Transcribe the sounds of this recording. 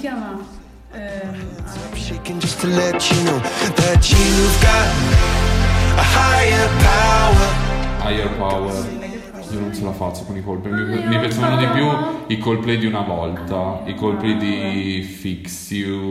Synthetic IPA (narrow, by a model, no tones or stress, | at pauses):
a | ʃekɛ̃nd͡ʒʌst̪lɛt͡ʃnoðɛt͡ʃiuɡa | hajəpʰawəajəpawɛɾ | ionõnselafat͡ʃːokonikolpimimipjat͡ʃovanod̪ipjuikolplid̪iunavɔlt̪aikolplid̪ifiksju